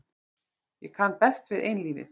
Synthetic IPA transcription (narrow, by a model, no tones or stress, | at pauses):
jɛkʰanːpɛst̪vɪðejnliːnɪ̰